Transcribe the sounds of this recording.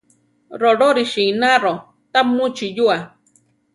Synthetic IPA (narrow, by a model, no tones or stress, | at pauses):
ɾoɾoɾiʃiːnaɾo | t̪amut͡ʃijua